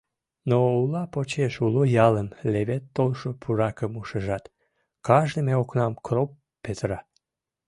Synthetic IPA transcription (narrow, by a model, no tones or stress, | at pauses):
noulɑpot͡ɕeʃulojɑlənleβet̪ːolʃopʰuɾɑkəmuʃəʒɑt̪ | kɑʒd̪emeoknɑmkropː | et̪əɾɑ